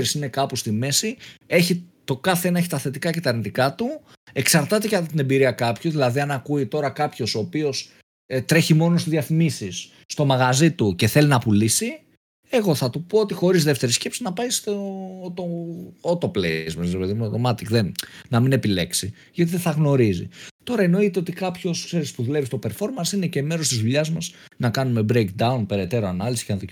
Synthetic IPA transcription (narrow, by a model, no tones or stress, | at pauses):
ɾisine̞kɐpost̪ime̞sie̞çit̪o̞kɐθeenɐeçit̪ɐθe̞t̪ikɐcet̪ɐːɾnit̪ikɐt̪u | e̞ksɐɾt̪ɐt̪e̞kɐt̪ɐt̪ine̞mbiɾiɐkɐpçuðilɐðiɐnɐkuit̪o̞ɾɐkɐpço̞so̞ːpio̞s | t̪ɾe̞çimo̞no̞st̪izðjiɐθimisisː | t̪o̞mɐɣɐzit̪uce̞θe̞linɐpulisi | e̞ɣo̞θɐt̪upo̞ot̪ixo̞ɾizðe̞ft̪e̞ɾisce̞psinɐpɐjst̪ot̪ot̪o̞plḛzmɐsɾepe̞ðimuot̪omɐt̪ikðennɐmine̞pile̞ksi | ʝɐt̪iðeθɐɣno̞ɾizḭt̪o̞ɾɐeno̞it̪e̞o̞t̪ikɐpço̞skse̞ɾispuðulevist̪o̞pe̞ɾfo̞ɾmɐnsine̞ceːme̞ɾo̞st̪izðuʎɐzmɐz | nɐkɐnume̞bɾejk̚d̪ɐunpe̞ɾe̞t̪e̞ɾoɐnɐlisi̥cenɐðo